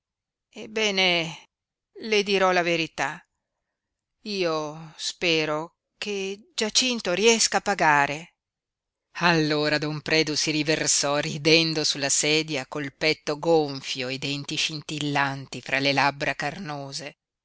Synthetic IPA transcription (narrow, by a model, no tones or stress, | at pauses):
ebːɛːne | led̪iɾɔlaveɾit̪a | iːospɛːɾo | ked͡ʒat͡ʃint̪oɾiɛskaːpːaɡaːɾe | alːoːɾad̪ompɾɛːd̪usiɾiversɔrid̪ɛnd̪osulːasɛːd̪jakolpɛt̪ːoɡoɱfjoed̪ɛnt̪iʃint̪ilːant̪ifɾʔalelabɾakarnoːze